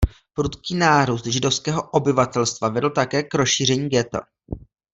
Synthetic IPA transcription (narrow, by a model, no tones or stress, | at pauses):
pɾut̪kiːnaːɾust̪ʒɪdo̞fskɛːɦo̞ʔobɪvat̪ɛlst̪vavɛdl̩t̪akɛːkɾosʃiːr̝ɛɲiːɡɛt̪a̰